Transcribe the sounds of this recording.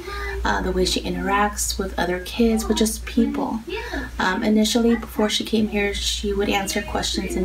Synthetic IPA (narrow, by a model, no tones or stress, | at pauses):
ðəweɪʃiʔɪ̃ɾ̃ə˞æk̚tswɪðʌ̰ðə˞kʰɪdzwəd͡ʒʌspʰipʰl̩ˠ | ʔɨnɪʃl̩ˠibəfɔɹʃikʰẽɪ̃mhiɹʃiwəɾæ̃nsə˞kʰw̥ɛst͡ʃɨ̃nzɨ̃n